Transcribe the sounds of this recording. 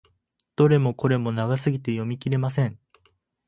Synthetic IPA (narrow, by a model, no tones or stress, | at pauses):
d̪̥o̞ɾe̞mo̞ko̞ɾe̞mo̞naɡasɨɡʲit̪e̞jo̞mʲikʲiɾe̞masẽ̞ɴ